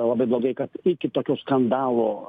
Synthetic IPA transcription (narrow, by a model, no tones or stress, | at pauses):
lˠɐbɐɪblˠoːɡɐɪkɐt̪ɪkʲɪt̪oːkʲoːskɐnd̪ɑːlˠoː